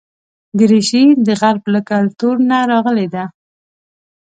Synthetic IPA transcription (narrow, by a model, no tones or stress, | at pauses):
ɡɾeʃid̪əɣaɾblakalt̪uɾnaɾɑɣəled̪a